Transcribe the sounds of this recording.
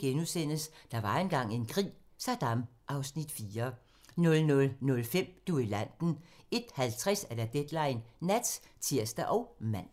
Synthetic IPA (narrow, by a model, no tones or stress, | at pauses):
ɡ̥enuðˠsen̰əsd̥ɑ̈ʋɑ̈enɡ̥ɑ̈ŋ̰e̝nkʰʁḭː | sɑ̈d̥ɑ̈m | ʔɑ̈ʊsnid̥fiːɐ | nɔ̽lnɔ̽lnɔ̽lfem̰d̥uilæn̰d̥n̩e̝d̥hælt͡sʰʁɛsæɐd̥æd̥ed̥lɑ̈ɪnːæd̥st͡sʰiɐsd̥æʔɒ̽ʊmæn̰